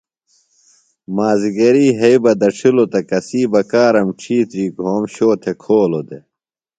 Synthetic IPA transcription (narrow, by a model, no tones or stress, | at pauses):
maːziɡɐɾiːɦɐibɐd̪ɐʈ͡ʂʰilot̪ɐkɐsiːbɐkaːɾɐmʈ͡ʂʰiːt̪ɾiːkoːmɕoːt̪ʰekʰoːlod̪e